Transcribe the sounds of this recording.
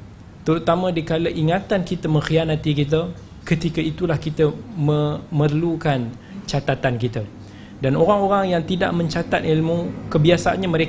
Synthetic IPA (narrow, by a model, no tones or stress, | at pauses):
t̪əɾut̪amə̃dikaləʔiŋat̪ankit̪əmə̃ŋxijanat̪ikit̪̬ə | kət̪ikəit̪ulahkit̪əmə̃mərlukan | t͡ʃat̪at̪ankit̪a | danoɾaŋoɾaŋjaŋt̪ida̰ʔmə̃ɲt͡ʃat̪at̪ilmũkəbiasaʔa̰ɲamə̃ɾe